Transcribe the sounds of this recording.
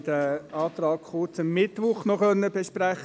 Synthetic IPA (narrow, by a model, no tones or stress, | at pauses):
d̥əɑːt̪ɾɑːkχʊt͡səmːɪtʋʊχnɔχœnːəbeʃpɾæχ